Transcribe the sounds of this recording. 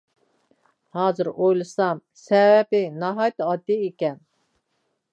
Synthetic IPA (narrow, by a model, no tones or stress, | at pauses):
hɑːzɨɾojlˠɨsɑmsɛwɛpɪnɑɦɑjt̪ɨɑd̪ːiekʲɛn